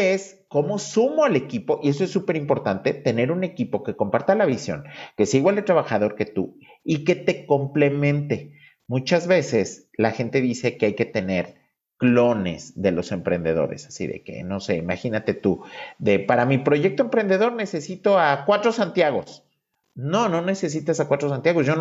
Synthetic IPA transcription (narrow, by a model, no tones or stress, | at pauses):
es | ko̞mo̞sumo̞ale̞kipo̞ʔies̬oe̞sːupe̞ɾimpo̞ɾt̪ant̪e̞t̪e̞ne̞ɾune̞kipo̞ke̞ko̞mpaɾt̪alaβisjo̞̰ŋke̞siaiɣwald̪et̪ɾaβaxaðo̞ɾke̞t̪u | ike̞t̪e̞ko̞mple̞mẽ̞nt̪e̞ | mũt͡ʃazβe̞se̞s | laxe̞nt̪e̞ðise̞keajke̞t̪e̞ne̞ɾ | klo̞ne̞̰zðe̞lo̞se̞mpɾe̞nd̪e̞ðo̞̰ɾe̞̰sḁsḭðḛkḛno̞se̞imaxinat̪e̞t̪uðe̞paɾamipɾo̞ʝe̞k̚t̪oempɾe̞nd̪e̞ðo̞ɾne̞se̞sit̪oakwat̪ɾo̞sant̪jaɣ̞o̞s | no̞nõ̞ne̞se̞s̬it̪asakwat̪ɾo̞s̬ant̪jaɣ̞o̞sʝon